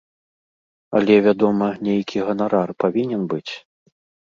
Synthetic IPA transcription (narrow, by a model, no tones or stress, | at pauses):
ɐ̰lʲɛvʲad̪ɔmɐnʲejkʲʰiɣɐnaɾarpavʲinʲɛnbɨt͡sʲ